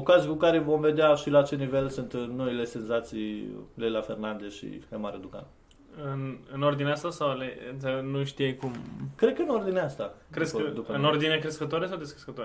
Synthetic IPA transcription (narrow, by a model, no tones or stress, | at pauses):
okazijkukaɾe̞vo̞mve̞d̪eaʃilaːt͡ʃelnive̞lsunt̪no̞ile̞se̞nzat̪sijlelafe̞rnand̪eʃḭhemaɾed̪uka̰n | ɨnɨno̞rd̪ineast̪asawleenuʃt̪ijejkumkɾe̞d̪̚kəɨno̞rd̪ineast̪akɾesd̪upəɨno̞rd̪inekɾeskət̪oaɾesawd̪eskɾeskət̪oa